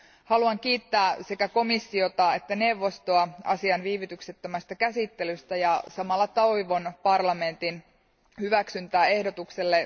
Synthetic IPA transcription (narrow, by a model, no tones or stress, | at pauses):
hɑluɑŋk̟iːt̪ːæːsekæko̞misːio̞t̪ɑet̪ːæne̞wʋːo̞st̪oɑɑ̰siɑnʋiːʋit̪ykset̪ːømæst̪ækæsit̪ːe̞lyst̪æjɑsɑmɑlːɑt̪ɑwjʋo̞npɑrlɑme̞nt̪in | hyʋæksynt̪æːe̞hdot̪ukselːe